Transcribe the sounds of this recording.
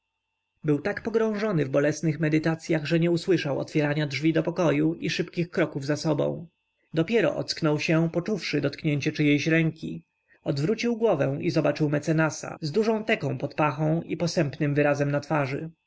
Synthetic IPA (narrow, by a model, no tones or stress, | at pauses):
bɘwt̪akpɔɡɾɔ̃w̃ʐɔnɘvbɔlɛsnɘxmɛd̪ɘt̪at̪sʲjaɣʐɛɲɛuswɘʂawɔ̰t̪fʲjɛɾaɲadʐvʲid̪ɔpɔkɔjuʔiʂɘpkʲixkɾɔkuvzasɔbɔ̰̃w̃ | d̪ɔpʲjɛɾɔ̰ʔɔ̰t̪sknɔwɕɛpɔt͡ʂufʂɘd̪ɔt̪kɲeɲt͡ɕɛt͡ʂɘjejɕɾɛŋkʲi | ɔd̪vɾut͡ɕiwɡwɔvɛ̃w̃izɔbat͡ʂɘwmɛt̪sɛnasa̰zd̪uʐɔ̃w̃t̪ɛkɔ̃w̃pɔt̪paxɔ̃w̃ipɔsɛmpnɘmvɘɾazɛmnat̪faʐɘ̰